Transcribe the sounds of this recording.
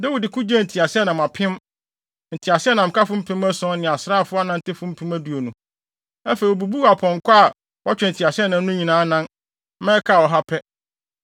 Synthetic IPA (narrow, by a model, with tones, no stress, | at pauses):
da˦wi˨dɪ˨kʰʊ˦d͡ʑɛ˦n̩˨tʰi˨a˨sɪ˦ɛ˦nã˨mã˨pʰɪ̃˦m | n̩˨tʰi˨a˨sɪ˦ɛ˦nã˨m̩˨ka˦fʊ˦m̩˦pʰɪ̃˦mæ˦sɔ̃˦nɪ̃˨a˨sɾa˦˨fʊ˦a˦nã˦n̩˦tɪ˦fʊ̃˦m̩˦pʰɪ̃˦mæ˦du˨o˨nũ˨ | æ˦fe˨i˨ɔ˨bu˨bu˦˨a˨pʰɔ̃˨ŋ˨kʷa˦a˨ | wa˦t͡ɕᶣɛ˨n̩˨tʰi˨a˨sɪ˦ɛ˦nã˨˦nʊ̃˦ɲĩ˨nãː˨˦nã˦n˦ | mɛ̃˦kʰa˦˨wɔ˨ɦa˦pʰɛ˦